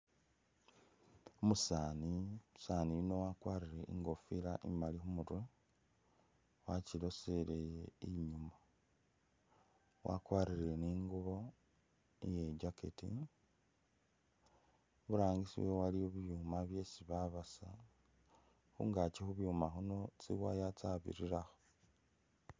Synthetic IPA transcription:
omusaːnimusanijino̞wakwaːɾiɾe̞ʔḭŋɡo̞filaʔḭmalixumutwe | wacilo̞sele̞jeiɲuma | wʔa̰kwaːɾiɾeniːŋɡuβo̞ | nḭjeɟakḛtḭ | βuɾaːŋɡisḭwowaliuβjumaβje̞siβaβasa | xṵŋɡat͡ʃixuβjumaxuno̞t͡siwajat͡saβḭɾiɾaxo̥

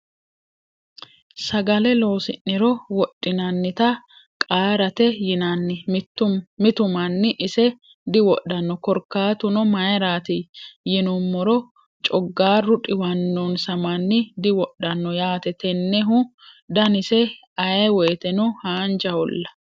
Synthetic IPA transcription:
sɐɡɐlɛlo̞ːsɪnːɪɾɔwɔɗːɪnɐnːɪt̪ɐ | kʼaːɾɐt̪ɛjɪnɐnːɪt̪ːʊmɪt̪ʊmɐnːɪʔɪsɛ | d̪ɪwɔɗːɐnːɔkɔɾkːaːt̪ʊnɔmɐjɾaːt̪ɪjɪnʊmːɔɾɔ | t͡ʃʼɔɡːaːɾʊᶑʼɪwɐnːonsɐmɐnːɪd̪ɪwɔɗːɐnːɔjaːt̪ɛt̪ɛnːɛɦʊd̪ɐnɪsɛ | ɐjɛwɔjt̪ɛnʊhaːnd͡ʒɐhɔlːɐ

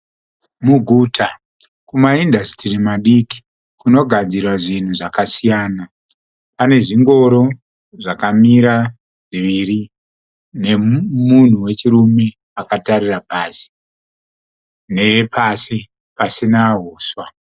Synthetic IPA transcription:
muɡʱutʰa | kumaindʱastirimaɗiki̥ | kuno̞ɡʱad͡zirwaʐin̤uʐakasijaːna | pane̞ʐiŋɡo̞ɾo̞ | ʐakamiɾa | ʐiʋiːri | ne̞mun̤uwe̞t͡ʃirume̞ | akataɾirapaːsi̥ | ne̞epasi | pasinaɦoːswa

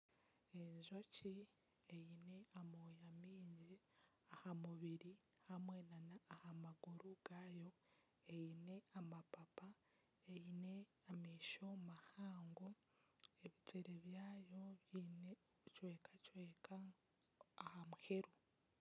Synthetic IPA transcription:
eɲzo̞ci | ejine̞amojamiːɲɟi | ahamuβiɾi | hamwenanaːhamaɡuɾuɡ̥aːjo̞ | ejine̞amapapa | ejine̞amiːʃo̞mahaːŋɡo | eβitʰeɾeβjaːjo̞βjine | cweːkacweːkaː | hamuhe̞ɾu

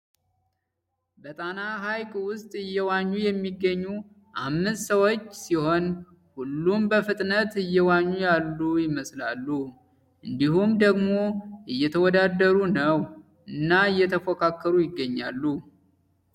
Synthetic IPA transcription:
bət̪ʼanaɦajkʰʼwʊst̪ʼɨjːɛwaɲːujɛmːiɡːəɲːu | ʔamːɨst̪səwot͡ʃːsiho̞n | hulːumbəfɨt̪ʼnət̪ɨjːɛwaɲːujalːujɪməslalːu | ʔɨnd̪ihumd̪əɡmo̞ɨjːɛt̪ʰəwɔd̪ad̪əɾunəw | ʔɨnːaɨjːɛt̪ʰəfokʰakʰːəɾujɪɡːəɲːa̰lːu

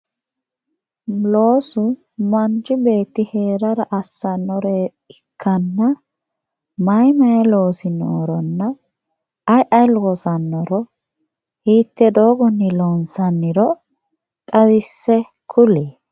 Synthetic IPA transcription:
lo̞ːsʊ | mɐnd͡ʒɪbe̞ːt̪ːɪhe̞ːɾɐɾɐʔɐsːɐnːɔɾe | ɪkʰːɐnːɐ | mɐjmɐjɛlo̞ːsɪno̰ːɾɔnːɐ | ɐjʔɐjlɔsɐnːɔɾɔ | hiːt̪ːɛd̪o̞ːɡɔnːɪlɔnsɐnːɪɾɔ | t̪ʼɐwɪsːɛ | kʰʊleː

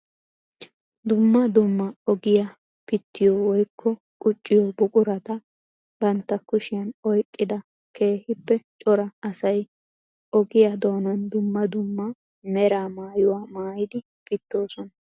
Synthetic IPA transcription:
d̪ʊmːɐd̪ʊmːɐɔɡɪja | pɪt̪ːɪjɔwɔjkʰːɔ | kʼʊt͡ʃʼːɪjɔbʊkʼʊɾɐt̪ɐ | b̥ɐnt̪ːɐkʊʃɪjɐnɔjkʼːɪd̪ɐ | kʰe̞ːhɪpːɛt͡ʃʼɔɾɐɐsɐj | ɔɡɪjad̪o̞ːnɐnd̪ʊmːɐd̪ʊmːɐ | mɛɾaːmaːjʊwaːmaːjɪd̪ɪ | pɪt̪ːo̞ːsɔnɐ

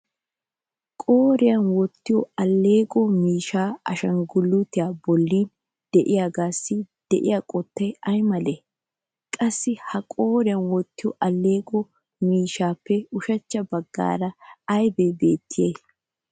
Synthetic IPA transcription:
kʼoːɾɪjɐnwɔt̪ːɪjɔɐlːe̞ːɡɔmiːʃaːɐʃɐŋɡʊlːʊt̪ɪjaːbɔlːiːn | d̪̥ɛʔɪjaːɡaːsːɪd̪̥ɛʔɪjaːkʼɔt̪ːɐjɐjmɐleː | kʼɐsːɪhɐkʼo̞ːɾɪjɐnwɔt̪ːɪjɔʔɐlːe̞ːɡɔ | miːʃaːpːɛʊʃɐt͡ʃːɐbɐɡːa̰ːɾɐɐjbɛbe̞ːt̪ːɪjej

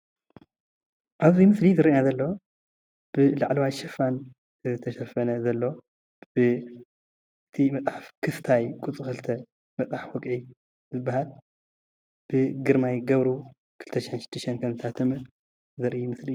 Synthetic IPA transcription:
ʔaβzimɨslizɐɾʔinazɐlːo | b̥ɨlaʕlɐwajʃɐfan | ɨɨt̪ʰɐʃɐfɐnɐzɐlːo | b̥ɨ | ɨt̪ʰimɐt͡sʼħafkʰɨst̪ʰajkʼut͡sʼɨxɨlt̪ʰɐ | mɐt͡sʼafwɔkʼʕi | zɨbːahal | b̥ɨɡɨɾmajɡɐβɾu | kʰɨlt̪ʰɐʃɪħenʃɪ̥d̪̥ɨʃɐnkʰɐmzɨt̪ʰat̪ʰɐmɨ | zɐɾʔijmɨsli

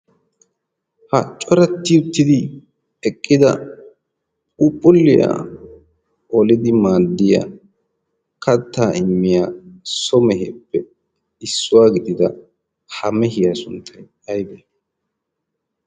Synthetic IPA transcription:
hɐt͡ʃʼːɔɾɐt̪ːɪʊt̪ːɪd̪ɪ | ɛkʼːɪd̪ɐ | upʼːʊlːɪja̰ː | ʔɔlɪd̪ɪmaːd̪ːɪja̰ | kʰɐt̪ːaːʔɪmːɪjaːsɔmɛɦɛpːɛ | ɪsːʊwaːɡɪd̪ɪd̪ɐ | hɐmɛhɪjɐsʊnt̪ʰːɐj | ɐjb̪e

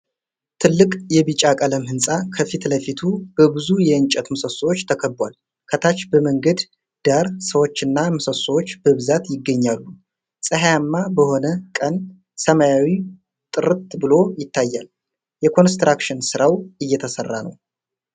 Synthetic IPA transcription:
t̪ʰɨlːɨkʼjɛβɨt͡ʃʼakʼələmhɨnsʼakʰəfit̪ləfit̪ʰub̥əbɨzujɛɨnt͡ʃʼət̪mɨsəsowot͡ʃːt̪ʰəkʰəbːwal | kʰət̪ʰat͡ʃːbəməŋɡəd̪ | d̪̥aɾsəwot͡ʃːɨnːamɨsəsowot͡ʃːbəβɨzat̪jɪɡːəɲːalːu | sʼəɦjamːabəho̞nəkʼən | səmajawi | t̪ʼɨɾɨt̪bɨlo̞jɪt̪ʰːajːal | jɛkʰo̞nst̪ɾʔakʃɨnsɨɾawɨjːɛt̪ʰəsərːanə̰w

